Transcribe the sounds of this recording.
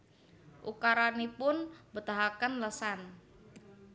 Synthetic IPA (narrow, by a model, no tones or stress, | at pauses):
ʔṵkaɾanipʊnbət̪aɦakənləsan